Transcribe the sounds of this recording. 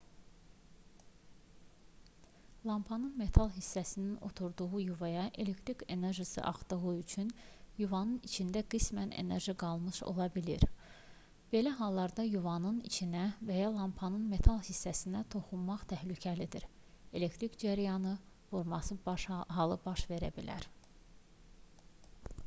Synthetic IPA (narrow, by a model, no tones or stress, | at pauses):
lˠɑmpʰɑnɯnme̞t̪ʰɑlˠɦisːæsinino̞̰t̪ʰuɾd̪uɣujuvɑjɑʔe̞le̞kt̪ʰɾike̞ne̞ɾʒisɯ̰ʔɑ̰χd̪ɯɣuyt͡ʃʰynjuvɑnɯnit͡ʃʰind̪æɡismænḛne̞̰ɾʒiɡɑlˠmɯʃo̞̰lˠɑbilḭɾ | b̥e̞læɦɑlˠːɑɾd̪ɑjuvɑnɯnḭt͡ʃʰinævæjɑlˠɑmpʰɑnɯnme̞t̪ʰɑlˠhisːæsinæt̪ʰo̞χunmɑχt̪ʰæhlycʰælid̪iɾ | e̞le̞kt̪ʰɾikd͡ʒæɾijɑnɯ | vuɾmɑsɯbɦɑlˠɯbɑʃve̞ɾæ̰bilæ̰ɾ